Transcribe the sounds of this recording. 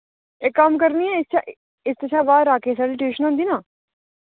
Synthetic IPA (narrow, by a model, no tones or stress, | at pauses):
eːkːəmkəɾniːɛ̃ːɪst͡ʃʰaʔ | ɪst̪ət͡ʃʰaːbaːɾaːkeːsaːɖiːʈɪʋɪʃənãnd̪iːnãː